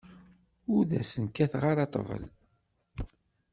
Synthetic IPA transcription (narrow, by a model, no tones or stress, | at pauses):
ʊɾðæ̰sənkæθʁaɾɑt̪ˤːvə̰l